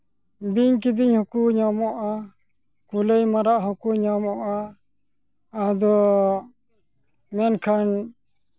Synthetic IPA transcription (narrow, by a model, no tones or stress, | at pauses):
biɲk̬id̪iɲhɔkuɲamɔʔa | kulejmaɾaʔɦɔkuɲamɔʔa | d̪ɔ | mɛnkʰan